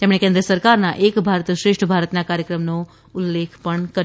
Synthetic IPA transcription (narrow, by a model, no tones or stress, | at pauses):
t̪emɽ̃ekẽnd̪ɾəsəɾkaɾnaʔekbʱaɾt̪ʃɾeʂʈʰəbʱaɾət̪nakaɾjəkɾəmno | ʊlːekʰpəɳkə